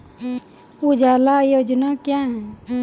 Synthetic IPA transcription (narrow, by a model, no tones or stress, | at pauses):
ud͡ʒalajod͡ʒnakjãɦɛ